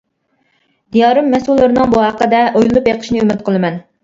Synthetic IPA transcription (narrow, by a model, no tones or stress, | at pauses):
d̪ijɑːɾɨmːɛsulˠːɨɾnɨŋbuɦæqːəd̪ɛʔojllˠupjɑqʰə̥ʃnɨymɪt̪̚qʰəlˠɨmɛn